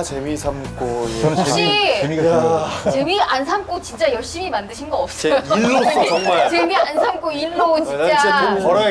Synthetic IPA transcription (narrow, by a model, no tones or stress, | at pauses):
t͡ɕemisʰamk͈ʰoʌnoɕ͈ii | t͡ɕemians̬ʰamk͈ʰot͡ɕint͡ɕ͈ajʌɭɕ͈imimandɯɕʰinɡʌʌp̚s͈ejolːot͡ɕʌŋmat͡ɕemiansʰamk͈ʰoiɭːot͡ɕint͡ɕ͈apʌɾa